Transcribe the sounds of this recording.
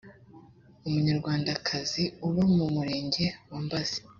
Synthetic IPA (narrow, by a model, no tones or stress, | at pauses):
umuɲaɾɡwaːndakʰaziuβomumuɾe̞ːɲɟe̞waːmbaz̥i̥